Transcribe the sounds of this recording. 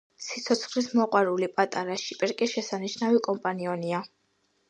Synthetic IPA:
sit̪sʰɔt̪sʰχlismɔqʼwaɾulipʼat̪ʼaɾaʃipʼɛɾkʼɛʃɛsaniʃnavikʼɔmpʼaniɔnia

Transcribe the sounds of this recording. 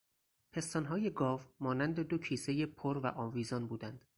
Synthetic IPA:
pʰe̞st̪ɒnɦɒːje̞ɡɒːvmɒːnænd̪e̞d̪ocʰiːseje̞pʰoɾvæʔɒːnviːzɒnbuːd̪ænd̪̥

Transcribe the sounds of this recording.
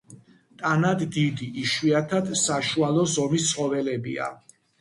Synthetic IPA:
t̪ʼanad̪ːid̪iʔːʃwiat̪ʰad̪saʃualˠɔzɔmist̪sʰχɔvɛlɛbia̰

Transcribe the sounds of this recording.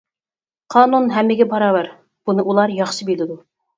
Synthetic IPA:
qʰɑːnunɦɛmːɪɡʲɛbɑɾɑːbæɾ | b̥unɨʔulˠɑɾjɑχʃɨbilɪd̪u

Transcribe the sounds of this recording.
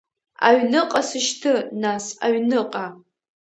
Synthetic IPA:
a̰ɥnɨqʼasɨʃtʰɨnasa̰ɥnɨqʼa

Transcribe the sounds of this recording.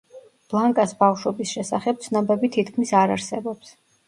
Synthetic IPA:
b̥lˠaŋkʼasbafʃwɔbisʃɛsaχɛb̚t̪sʰnambɛbit̪ʰit̪kʰmisaɾaɾsɛbɔps

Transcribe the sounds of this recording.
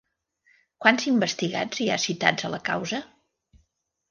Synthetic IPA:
kwanzimbəst̪iɣa̰d͡zia̰sit̪a̰d͡zələkawzə

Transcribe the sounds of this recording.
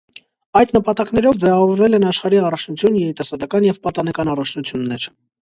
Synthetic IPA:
ɑjd̪nəpɑt̪ɑknɛɾɔvd͡zɛvɑvɔɾvɛlɛnɑʃχɑɾiɑrɑt͡ʃʰnut͡sʰjunjɛɾit̪ɑsɑd̪ɑkɑnjɛvpɑt̪ɑnɛkɑnɑrɑt͡ʃʰnut͡sʰjunːɛɾ

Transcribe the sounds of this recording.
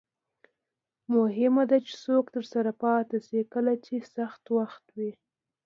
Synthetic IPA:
mʊɦɪmad̪at͡ʃe̥sokt̪əɾsaɾapɑt̪asekəlat͡ʃesaxt̪waxt̪wi

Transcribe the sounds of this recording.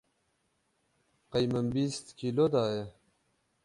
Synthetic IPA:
qajməmbist̪kilod̪aːje

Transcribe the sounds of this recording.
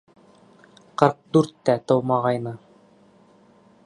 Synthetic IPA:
qɤɾq̚d̪ʉɾt̪ːæt̪ɤ̆wmɑʁɑjnɤ

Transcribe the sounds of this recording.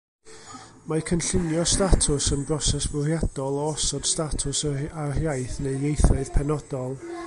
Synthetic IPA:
makʰənɬɪnjɔstatʰʊsənbrɔsɛsbʊrjad̥ɔlˠɔɔsɔd̥statʰʊsarjajθnejjejθaɨð̥pʰɛnɔd̥ɔlˠ

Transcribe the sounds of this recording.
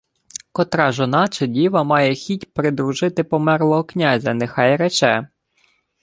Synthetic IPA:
kɔt̪ɾɑʒɔnɑt͡ʃedʲiʋɐmɑjɛxʲitʲpɾɪd̪ɾuʒɪt̪ɪpɔmɛrlˠɔɦɔknʲazʲɐnexɑjɾɛt͡ʃɛ

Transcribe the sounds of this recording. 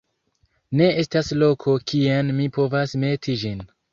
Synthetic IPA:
ne̞e̞staslo̞kʰo̞kʰianmipo̞vasme̞tʰid͡ʒin

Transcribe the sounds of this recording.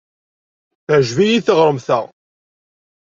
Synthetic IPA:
θʕʒvijiθəʁɾˤəmθæʁ

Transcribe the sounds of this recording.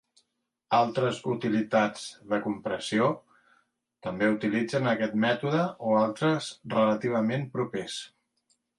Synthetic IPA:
alˠt̪ɾəzut̪ilit̪ad͡zðəkumpɾəsio | t̪əmbeut̪ilid͡zənəkɛt̪mɛt̪uðəoalˠt̪ɾəzrələt̪iβ̞əmempɾupes

